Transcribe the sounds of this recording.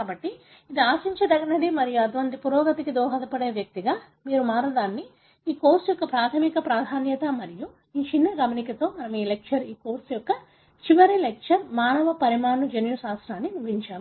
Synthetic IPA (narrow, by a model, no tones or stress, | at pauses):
kaːbɐʈːi | id̪iaːsiɲt͡ʃɐd̪ɐɡɐnɐɽimɐɾijuɐd̪ʋɐnd̪ipuɾɔːɡɐt̪ikid̪ɔːɦɐd̪ɐpɐɽe̞ːʋjɐk̚t̪iɡaː | miːɾumaːɾɐd̪aːnːi | iːkoːɾsjɔkːɐpɾaːt̪ʰɐmikɐpɾaːd̪ʱaːnjɐt̪ɐmɐɾiju | iːt͡ʃinːɐɡɐmɐnikɐt̪o̞ːmɐnɐmiːlekʂɐɾiːko̞ːɾsjɔkːɐ | t͡ʃiʋɐɾilek̚ʂɐɾmaːnɐʋɐpɐɾimaːɳud͡ʒenjusaːsɾaːnːinubiɲt͡ʃaːm